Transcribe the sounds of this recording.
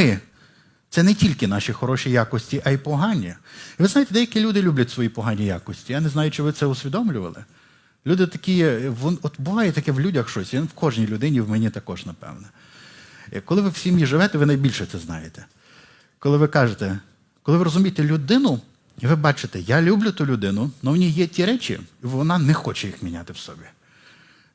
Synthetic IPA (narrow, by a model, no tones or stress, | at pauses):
t̪sɛnɛtʲilʲkɪnɑʃixɔɾɔʃʲijɑkɔsʲtʲiʔɐipɔɦɑnʲːiʋɪznajet̪ɛd̪ɛjɐkʲilʲud̪ɪlʲublʲɐtʲsʋɔjipɔɦɑnʲːija̰kɔsʲtʲijanɛznɑjʊt͡ʃɪʋɪtsɛʊsʲʋʲid̪ɔmlʲʊʋɐ̰lˠɪ̰ | lʲud̪ɪt̪ɐkʲijɛʋɔnɔt̪bʊʋɑjɛt̪ɐkɛwlʲudʲɐxʃt͡ʃɔsʲwkɔʒnʲijlʲʊd̪ɪnʲiwmɛnʲit̪ɐkɔʒnɐpɛ̰wnɛ | kɔlˠɪʋɪw̥sʲimjiʒɪʋɛt̪ɛʋɪnɐjbʲilʲʃɛt̪sɛznɑ̰jet̪ɛ̥ | kɔlˠɪʋɪkɑʒet̪ɛ | kɔlˠɪʋɪɾɔzʊmʲijet̪ɛlʲʊd̪ɪnʊ | iʋɪbɑt͡ʃɪt̪ɛjɑlʲublʲʊt̪ulʲʊd̪ɪnʊnɔʋnʲijɛtʲiɾɛt͡ʃʲḭiʋɔnɑnɛxɔt͡ʃɛjixmʲinʲat̪ɪwsɔbʲi